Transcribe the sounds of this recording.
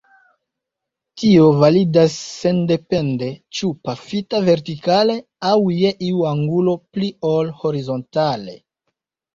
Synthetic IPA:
tio̞validasːe̞nde̞pe̞nde̞t͡ʃupafitave̞ɾtikale̞ | awje̞ʔiuaŋɡulo̞pliolho̞ɾizo̞ntale̞̰

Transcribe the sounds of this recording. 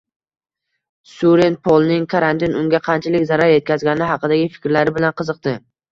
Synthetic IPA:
suɾenpʰolˠnɪŋkʰaɾant̪inʊŋɡʲaqʰɑnt͡ʃʰɪlɪkʲzaɾaɾje̞t̪̚kʲʰazɡʲanɪɦɑqɨd̪aɡʲɪfɪ̥kʲɾlaɾɪbɪlanqʰɨzɨq̚t̪ɪ

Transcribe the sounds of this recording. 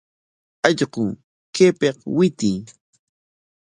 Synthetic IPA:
ɑʎɢʊŋ | kepeqwɪt̪ɪː

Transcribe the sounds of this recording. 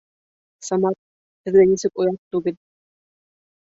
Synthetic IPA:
sɑmɑt̪̚ | hɘ̆ðɡænisɘkojɑt̪ːuɡɘl

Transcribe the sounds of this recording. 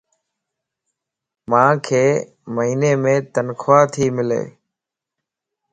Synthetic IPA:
mãːkʰeː | məɦiːneːmẽːt̪ənkʰoaːt̪ʰiːmɪlḛː

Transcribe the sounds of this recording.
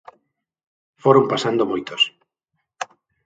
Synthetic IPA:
foɾompasand̪omojt̪os

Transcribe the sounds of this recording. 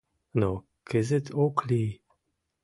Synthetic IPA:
no | kʰɪzɪtʰokʰli

